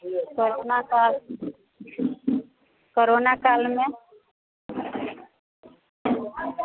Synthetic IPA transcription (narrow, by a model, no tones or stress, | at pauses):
koɾonakal | koɾonakalme